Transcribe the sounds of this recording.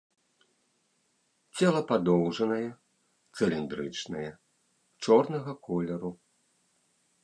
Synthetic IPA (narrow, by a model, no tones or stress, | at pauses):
t͡sʲɛlˠɐpad̪ɔwʐɐnɐjɛ | t̪sɨlʲind̪ɾɨt͡ʂnɐjɛ | t͡ʂɔrnɐɣɐkʰɔlʲɛɾu